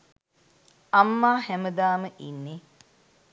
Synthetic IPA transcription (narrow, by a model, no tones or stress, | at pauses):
ɐmːaːhæməd̪aːməʔinːe